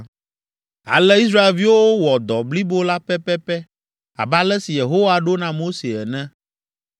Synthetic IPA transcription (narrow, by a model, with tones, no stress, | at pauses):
a̰˨lɛ˦i˦s̬ɾa˦e˨lvi˦wo˦wo˦wɔ˨d̪ɔ˨bli˦bo˦la˦pɛ˦pɛ˦pɛ˦ | a̰˨ba˦lɛ˦si˨je˨ɦo˦wa˨ɖo˦nã˨mo˦se˨ɛ˨nɛ̃˦